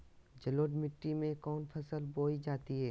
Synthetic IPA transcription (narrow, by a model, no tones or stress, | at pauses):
d͡ʒɐloːɖmɪʈːimẽkɔːnpʰɐsəlboːid͡ʒaːt̪iɦɛː